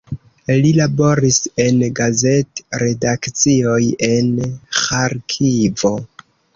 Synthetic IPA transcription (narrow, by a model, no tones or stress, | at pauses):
lilabo̞ɾise̞nɡaze̞tɾe̞dakt͡sio̞je̞nxaɾkʰivo̞